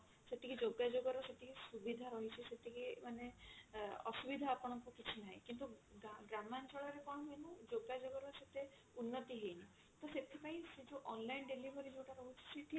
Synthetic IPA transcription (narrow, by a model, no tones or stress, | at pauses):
seʈ̪ʰikid͡ʒoɡad͡ʒoɡɔɾɔseʈ̪ʰikisubid̪ʱaɾɔɦit͡ʃʰiset̪ʰikimane | ɔ̰subid̪ʱaːpɔɽ̃ɔkukit͡ʃʰinaɦɛ̰kint̪uaɡɾamant͡ʃɔɭɔɾekɔɽ̃ɔɦenũd͡ʒoɡad͡ʒoɡɔɾɔset̪e | unːɔt̪iɦejni | t̪ɔset̪ʰipaĩsed͡ʒoʔɔnlainɖelibʱɔɾid͡ʒewʈaɾɔɦut͡ʃʰi̥sʰeʈ̪ʰi